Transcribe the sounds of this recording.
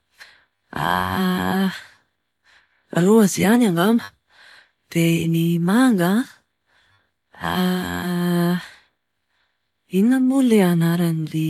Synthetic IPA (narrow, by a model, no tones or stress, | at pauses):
a̰ | aluazianaŋɡamə̥ | d̪̥enimaŋɡa | a̰ | inəmuleanaɾanile